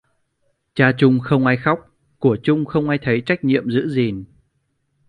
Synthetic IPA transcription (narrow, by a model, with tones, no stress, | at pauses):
t͡ɕaː˧t͡ɕʊ˧ŋ͡mxə˧wŋ͡mʔaː˧jxa˦˥wk͡p̚ | ku˧˩ət͡ɕʊ˧ŋ͡mxə˧wŋ͡mʔaː˧jt̪ʰə˨˦jt͡ɕa˦˥jk̟̚ɲḭ˧˨əmzɨ̰˧˥zi˨˩n